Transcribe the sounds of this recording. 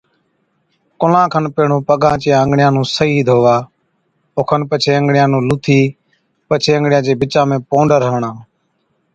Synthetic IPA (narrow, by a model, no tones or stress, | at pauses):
kʊlãːkʰənpeːɳũːpəɡãːt͡ʃijãːəŋɡɳɪjãːnũːsəiːd̪ʱoːʋaː | oːkʰənpət͡ʃʰeːəŋɡɽɪjãːnũːlut̪ʰiː | pət͡ʃʰeːə̃ŋɡɽjãːt͡ʃeːbɪt͡ʃãːmẽːpõːɳɖəɾɦəʋɳãː